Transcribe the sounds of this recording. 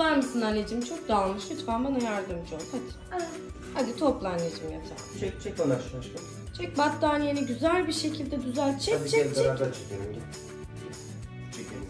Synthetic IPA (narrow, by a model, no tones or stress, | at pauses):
lˠanmɯsɯnanːʲed͡ʒimt͡ʃʰok̚d̪aːlˠmɯʃit̪fanbanajaɾd̪ɯmd͡ʒohʰat̪ | had̪it̪ʰo̞plˠanːed͡ʒimjat̪ʰa̰t͡ʃʰɛkt͡ʃʰɛk̚anaʃʃt̪u | t͡ʃʰɛc̚bat̪ːaːnjeniɟyzælʲbiɾʃe̞cʰilʲd̪ɛd̪yzælʲt͡ʃʰɛbit͡ʃʰɛɛdt͡ʃɾaat͡ʃʰɯ̥d̪ioɾu | t͡ʃʰeki